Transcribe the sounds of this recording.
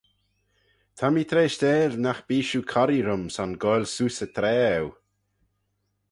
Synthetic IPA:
t̪ʰamit̪ʰɾeːʃt̪eːlnaxb̥iːʃukʰɔɾiɾʊmsanɡɔjlsuːsət̪ʰɾɛːw

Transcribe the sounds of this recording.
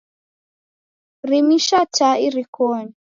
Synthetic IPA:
rimiʃataiɾikɔɲi

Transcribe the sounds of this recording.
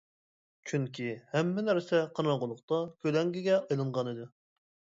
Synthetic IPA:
t͡ʃʰyŋkʲʰihɛmːɪnæɾsɛqʰɑɾɑʁʊlˠʊqt̪ɑkʲʰølɛŋɡʲiɡʲɛɑjlˠɨɴʁɑnɨd̪ɨ

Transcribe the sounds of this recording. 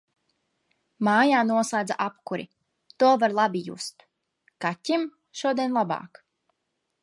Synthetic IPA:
maːjaːnuɔsˠajd̪zaʔapkuɾḭ | t̪uɔvaɾlˠabijṵst̪ | katʲːim | ʃuɔd̪ʲiɛnlˠaba̰ːk

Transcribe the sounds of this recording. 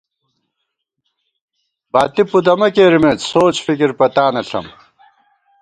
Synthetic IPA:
baːt̪ipud̪ɐmɐkeːɾimeːt͡ssoːt͡ɕfikiɾpɐt̪aːnɐɬɐ̰m

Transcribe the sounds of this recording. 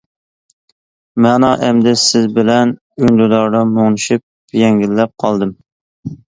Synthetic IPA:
mɛnɑʔɛmd̪ɛsɪzbɪlɛn | ynd̪ud̪ɑɾd̪ɑmoŋnɨʃyp̚ | jɛŋɡʲilːɛp̚qʰɑlˠd̪ɨm

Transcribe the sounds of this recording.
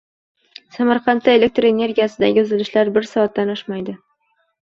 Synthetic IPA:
samaɾqʰɑnt̪ːae̞lek̚t̪ɾe̞ne̞ɾɡʲijasɪd̪a̰ɡʲɪʊzɪlɪʃlaɾbɪɾsɒat̪ːanɒʃmajd̪ɪ

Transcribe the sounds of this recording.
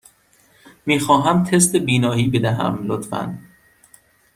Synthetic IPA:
miːxɒːɦæmt̪ʰes̬t̪ebiːnɒːhiːbe̞d̪æɦæ̰mlot̪fæ̰n

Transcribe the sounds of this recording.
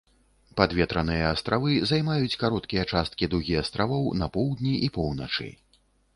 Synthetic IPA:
pad̪vʲɛt̪ɾɐnɨjɐːst̪ɾavɨzajmajut͡sʲkaɾɔt̪kʲijɐt͡ʂast̪kʲid̪uɣʲijɐst̪ɾavɔwnɐpɔwd̪nʲiʔipɔwnɐt͡ʂɨ̰

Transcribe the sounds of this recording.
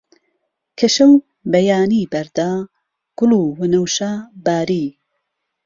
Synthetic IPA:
kʰɐʃɐw | bɐjaːniːbɐɾd̪aː | ɡ̥ʊluːwɨnɐwʃaːbaːɾi

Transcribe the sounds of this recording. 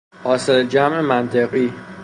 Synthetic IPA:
ʔɒːseld͡ʒæmʔe̞mænt̪ʰeɣiː

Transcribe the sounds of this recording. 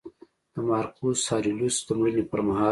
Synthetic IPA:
d̪̥əmɑːɾqusɑːɾilusd̪əmənipəɾmaɦɑ

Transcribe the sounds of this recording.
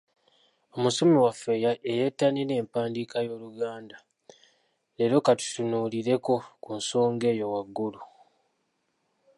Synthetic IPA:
o̞musomiwafːe̞jaʔejetːanine̞ːmpaːndikajo̞ːluɡaːnda | le̞ɾo̞katu̥tunuːliɾe̞ko̞kunso̞ːŋɡe̞ːjo̞waɡːulu

